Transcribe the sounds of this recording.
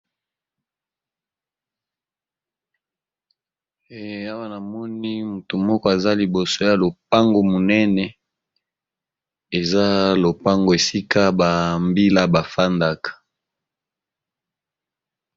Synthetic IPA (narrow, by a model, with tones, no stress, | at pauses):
a˦wa˦na˨mɔ˦ni˦mu˨to˨mɔ˦kɔ˦e˨za˦li˨bo˨so˦ja˨lo˨p̚a˦ŋɡo˨mo˨nɛ˦nɛ˨ | e˨za˦lo˨pa˦ŋɡo˨e˨si˦ka˦ba˨mbi˦la˦ba˨fa˦nda˦kḁ˨